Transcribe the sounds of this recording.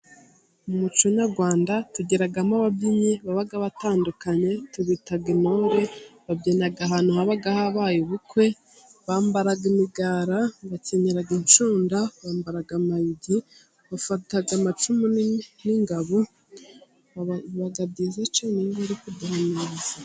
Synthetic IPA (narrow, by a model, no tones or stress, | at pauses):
umumut͡ʃoɲaɡwaːndatuɟeɾaɡamaβabɟiɲeβaβaɡaβataːndukaɲe̞tuβitaɡinoɾe̞βabɟenaɡaɦaːnuhaβaɡahaβajuβukwe̞ | βaːmbaɾaɡimiɡaːɾaβaceɲeɾaɡint͡ʃuːndaβaːmbaɾaɡamajiɟi | βafataɡamat͡ʃumuniniŋɡaβo | βaɡabɟizet͡ʃaniŋɡaɾikuduhaneza